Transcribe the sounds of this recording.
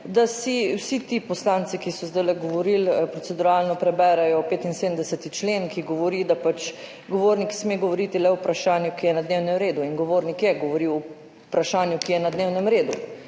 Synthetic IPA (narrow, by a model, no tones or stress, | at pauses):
d̪asiwsit̪ipɔslaːnt̪sikisɔzd̪ajlɛɡɔʋɔɾilpɾɔtsɛd̪uɾaːlnɔpɾɛbɛːɾɛjɔpeːt̪inseːd̪əm̩d̪ɛsɛt̪it͡ʃlenkiɡɔʋɔɾid̪apat͡ʃ | ɡɔʋoːɾniksmeːɡɔʋɔɾit̪ilɛwpɾaʃaːnjukijɛnad̪neːwnɛmɾeːd̪uinɡɔʋoːɾnikjɛɡɔʋɔɾiw | pɾaʃaːnjukijɛnad̪neːwnɛmɾeːd̪u